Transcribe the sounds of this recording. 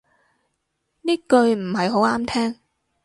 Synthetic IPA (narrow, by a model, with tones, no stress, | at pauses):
niː˥kɵ˧ɥm̩˨˩ɦɐ˨jɦo˨˥waː˥mt̪ʰɛː˥ŋ